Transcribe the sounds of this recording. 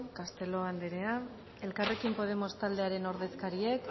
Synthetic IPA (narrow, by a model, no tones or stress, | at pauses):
kast̪e̞lo̞and̪eɾe̞a | e̞lkare̞kimpo̞ð̞e̞mo̞st̪ald̪e̞aɾe̞no̞ɾðe̞skaɾie̞k